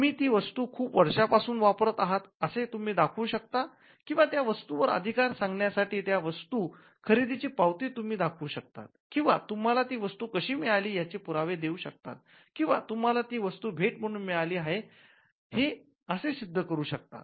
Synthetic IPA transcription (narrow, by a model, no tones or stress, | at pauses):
miːt̪iːʋəst̪uːkʰuːpʋəɾʂapasuːnʋapɾət̪aɦat̪əset̪um̤iːd̪akʰuːɕək̚t̪a | kĩw̃ʋat̪jaʋəst̪uʋəɾə̰d̪ʱikaɾsãŋɡɳjasaʈʰiːt̪jaʋəst̪uː | kʰəɾid̪it͡ɕiːpawt̪iːt̪um̤iːd̪akʰuːɕək̚t̪a̰t̪̚kĩw̃ʋa̰t̪um̤alat̪iːʋəst̪uːkəɕiːmɛɭaliːjat͡ɕepuɾaʋed̪euːɕək̚t̪a̰t̪̚ | kĩw̃ʋa̰t̪um̤alat̪iːʋəst̪uːbʱeʈm̤əɽ̃unmɛɭaliːaɦe | he | əsesid̪ʱːəkəɾuːɕək̚t̪a̰